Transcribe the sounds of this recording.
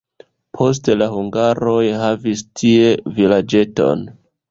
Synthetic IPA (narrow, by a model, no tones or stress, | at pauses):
pʰo̞s̬telahuŋɡaɾo̞jhavistʰie̞vilad͡ʒe̞to̞̰n